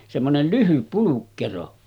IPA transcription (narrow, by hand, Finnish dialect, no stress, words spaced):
semːonel lyhyp pulukːero